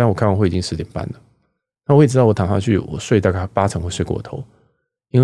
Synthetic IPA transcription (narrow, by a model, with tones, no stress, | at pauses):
ŋwɔ˨˩a˥˧wxwe˥˩˨t͡ɕi˥ŋʂɻ̩˧˥t̪jɛ˨˩npa̰˥˩nlə˩ | na˥˩wɔ˧˥jʈ͡ʂɻ̩˥tɑ˥˩ɔ˧˦t̪ʰɑ˨˩ŋsa̰˥˧t͡ɕʰy̰˥˨wɔ̰˨˩ʂwe˥˧ɪt̪ɑ˥˧ka˥˩pa˥t͡sʰɤ˧˥ŋxwe˥˧swe˥˧kɔ̰˥˩wɔ̰˨˩t̪ʰo̰˧˦ʊ | i˥nw